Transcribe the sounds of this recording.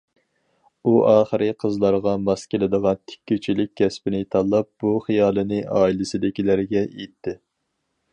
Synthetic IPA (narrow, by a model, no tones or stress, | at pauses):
uʔɑːχəɾɨqʰəzlˠɑɾʁɑmɑskʲelɪd̪əʁɑnt̪ʰɪ̥kʲːyt͡ʃʰilɪkʲkʰʲːɛspɪnɪt̪ʰɑlˠːɑp̚b̥uχijɑːlˠɨnɨʔɑːilɪsɪd̪ɪkʲilæɾɡʲɛet̪ʰːɪ